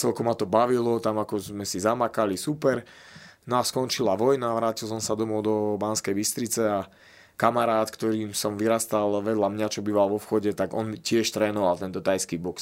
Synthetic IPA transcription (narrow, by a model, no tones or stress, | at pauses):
t͡sɛlkumat̪ɔbaʋilɔt̪amakɔzmɛsizamakalisupɛɾ | naskɔnt͡ʃilaʋɔjnaʋɾaːcilˠsɔmsad̪ɔmɔʊd̪ɔbanskɛjbist̪ɾit͡sɛa | kamaɾaːt̪kt̪ɔɾiːmsɔmʋiɾast̪alʋɛd̪lamɲat͡ʃɔbiːʋalʋɔfxɔɟɛt̪aɡɔ̰ncɪɛʃt̪ɾɛːnɔʋalt̪ɛnt̪ɔt̪ajskibɔks